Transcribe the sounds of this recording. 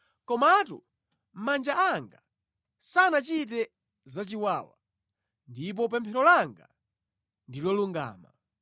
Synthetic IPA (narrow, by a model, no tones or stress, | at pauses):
kɔmatṵ | m̩mand͡ʒaaŋɡa | sanat͡ʃit̬ɛ | zat͡ʃiwaːwa̰ | ndip̬ɔpɛmpʰɛɾɔlaŋɡa̰ | ndilɔluŋɡa̰ːma̰